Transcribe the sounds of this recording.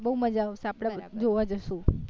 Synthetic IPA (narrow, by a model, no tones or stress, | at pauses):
bəɦuməd͡ʒaːʋsẽapɽ̃ad͡ʒoʋad͡ʒəʃũ